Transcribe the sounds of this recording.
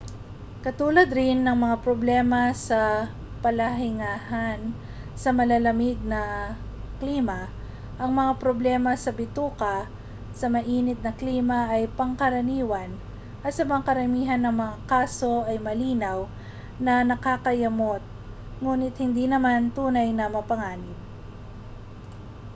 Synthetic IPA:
kɐt̪uːlɐd̪ɾɪnːɐŋmɐŋapɾoblɛmɐsɐ | pɐlaɦɪŋaːɦan | sɐmɐlɐlɐmɪɡ̪̚nɐ | kliːmɐ | ʔɐŋmɐŋapɾoblɛːmɐsɐbɪt̪uːkɐ | sɐmɐʔiːnɪt̪̚nɐkliːmɐʔɐjpɐŋkɐɾɐniːwɐn | ʔɐt̪sɐmɐŋakɐɾɐmiːɦɐnːɐŋmɐŋakaːso̞ʔɐjmɐliːnaw | nɐnɐkakɐjɐmot̪̚ | ŋuːnɪt̪̚hɪnd̪inɐmant̪uːnɐjnɐmɐpɐŋaːnɪb̚

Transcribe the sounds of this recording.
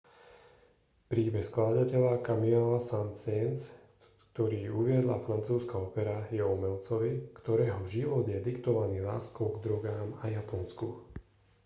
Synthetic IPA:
pɾiːbɛxsklaːd̪acɛʎakamialasansɛns | kt̪ɔɾiːuʋɪɛd̪la̰fɾant͡suːskaɔpɛɾajɛɔmɛlt͡sɔʋikt̪ɔɾɛːɦɔʒiʋɔd̪jɛd̪ikt̪ɔʋaniːlaːskɔʊɡd̪ɾɔɡaːmajapɔnsku

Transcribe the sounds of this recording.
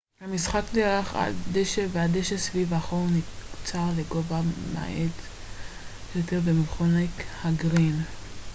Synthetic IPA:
hamisχakdeʁaχa̰d̪eʃevead̪eʃesvivaχoʁnit͡saʁleɡo̞vama̰ʔet | jot̪eʁbemilχonekhaɡʁin

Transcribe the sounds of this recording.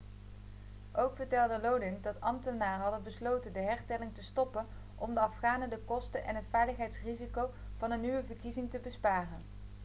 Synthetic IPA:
ʔowkfəɹtɛlˠdəlowdɪndɑtɑmtənaːrəɦɑdənbəslowtəndəɦɛɹstɛlɪŋtəstɔpən | ʔɔmdəɑfχaːnədəkɔstənʔɛnɦətfɛjləχɦɛjtsrizikow | v̥ɑnənːyʋəvəɹkizɪŋtəbəspaːrən

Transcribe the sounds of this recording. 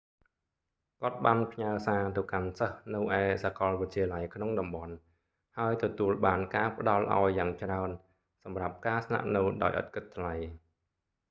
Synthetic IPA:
kŏət̪̚ɓaːnpʰɲaəsaːt̪ɨwkansəhnɨwʔaɛsakɑlʋɨc̪̚t͡ɕʰiəlajkʰnoŋɗɑmɓɑn | haəjt̪ɔt̪uəlɓaːnkaːpə̆ɗɑlʔa̰ɔjːaːŋt͡ɕraən | sɑmrap̚kaːsna̰ʔnɨwɗa̰ɔjʔɑ̰t̪̚kɨt̪ʰːlaj

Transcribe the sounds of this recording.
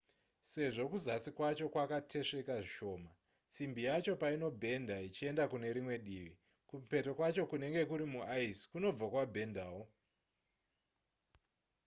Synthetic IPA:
se̞ʐo̞kuzasikwat͡ʃo̞kwakatʰe̞ʂe̞kaʐiʃo̞ːma | simbijat͡ʃo̞paino̞bʱe̞ndait͡ʃie̞ndakune̞ɾimwe̞ɗiːʋi | kupe̞to̞kwat͡ʃo̞kune̞ŋɡe̞kuɾimuaisi̥kuno̞b͡vakwabʱe̞ndaːwo

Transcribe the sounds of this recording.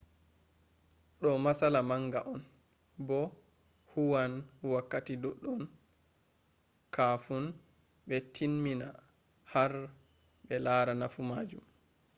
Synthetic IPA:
ɗɔmasalamaŋɡaʔɔn | bɔ | huwanwakːatiduɗːɔn | kʰafun | ɓɛtʰinmːina | haɾ | ɓɛlaːɾanafumaːd͡ʒum

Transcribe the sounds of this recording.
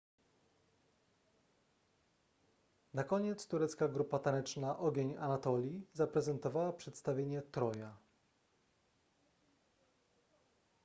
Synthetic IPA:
nakɔɲɛt̪st̪uɾɛt̪skaɡɾupat̪anɛt͡ʂnaʔɔɡʲeɲa̰nat̪ɔlʲjizapɾɛzɛnt̪ɔvawapʂɛt̪st̪avʲjeɲɛt̪ɾɔja

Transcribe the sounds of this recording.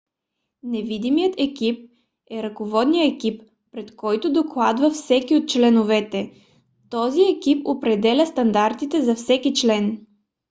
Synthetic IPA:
nɛvid̪imijət̪ɛkip̚ | ɛɾɐkovɔd̪nijəɛkipː | ɾɛt̪kɔjt̪ʊd̪oklˠad̪vɐfsɛkiot̪̚t͡ʃlɛnovɛt̪ɛ | t̪ɔziɛkipopɾɛd̪ɛlʲəst̪ɐnd̪aɾt̪it̪ɛzɐfsɛkit͡ʃlɛn

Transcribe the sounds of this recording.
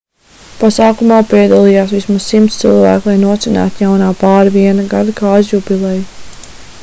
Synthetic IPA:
pasaːkumaːpiɛd̪alˠijaːsʋismazsimt̪st̪silˠvæ̰ːklˠajnuɔt̪sʲinæ̰ːt̪jawnaːpaːɾviɛnaɡad̪akaːazjupilˠɛj

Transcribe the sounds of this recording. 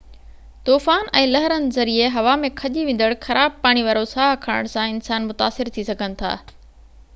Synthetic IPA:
t̪oːfaːnɛ̃ːlɐɦəɾənɪ̆zɐɾieɦɐʋamẽkʰɐʄiʋẽːn̆d̪əɽxɐɾaːb̚paːɽ̃iʋaːɾosaːɦkʰaːɽə̰ɽ̃sãɪnsaːnmʊt̪aːsɪɾt̪ʰisɐɡʱənɪ̆t̪ʰa̰ː

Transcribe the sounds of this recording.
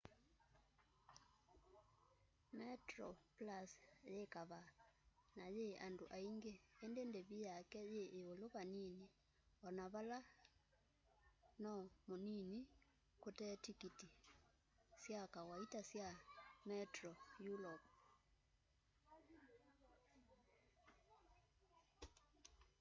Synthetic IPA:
mɛtrɔplasjekaβa | najeandoʔaiŋɡeːndendeβijakɛjeʔːoloβanini | ɔnaβala | nɔmonini | kotɛtikiti | sjakawaitasjamɛtrɔjulɔp

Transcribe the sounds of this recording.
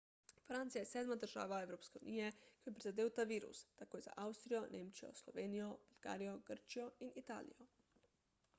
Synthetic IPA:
fɾant̪sijajɛsɛːd̪mad̪əɾʒa̰ːʋaɛwɾoːpskɛṵnijɛkɔjɛpɾizad̪eːwt̪aʋiːɾṵst̪akoːjza̰ʔawst̪ɾijɔneːmt͡ʃijɔ̰slɔ̰ʋeːnijɔb̥ulɡ̥a̰ːɾijɔɡəɾt͡ʃijɔinit̪a̰ːlḭjɔ

